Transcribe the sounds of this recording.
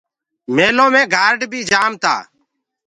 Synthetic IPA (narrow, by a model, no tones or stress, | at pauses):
meːlõːmẽːɡaːɾɖbʱiːd͡ʒaːmt̪a̰ː